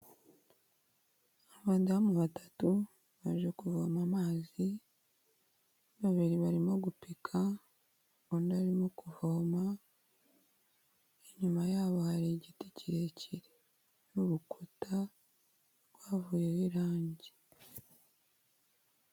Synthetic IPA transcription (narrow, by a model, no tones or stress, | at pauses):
aβaːndiβamuβatḁtu | βaʒekuvomamaːzi | βaβiɾiβaɾimo̞ɡupikʰa | βoːndaɾimokuvoma | eɲumajaːβohaɾiɟiticiɾecʰiɾe̥ | nuɾukʰuta | ɾɡwaːvujewiɾaːɲɟe